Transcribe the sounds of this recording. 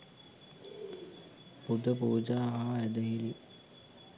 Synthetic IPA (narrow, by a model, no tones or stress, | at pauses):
pud̪ʱəpuːd͡ʒaːɦaɛd̪əɦili